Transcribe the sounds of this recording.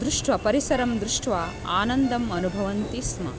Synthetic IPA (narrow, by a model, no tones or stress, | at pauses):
d̪ɾuʂʈʋɐpɐɾisɐɾɐmd̪ɾuʂʈʋa | aːnɐnd̪ɐmɐnubʱɐʋɐnt̪ismɐ̰